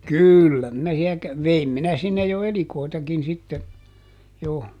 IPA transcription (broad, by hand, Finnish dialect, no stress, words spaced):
kyˑlːæ minæ siæ kæ ʋeim minæ sinːej jo elikoˑitɑkin sitːe jo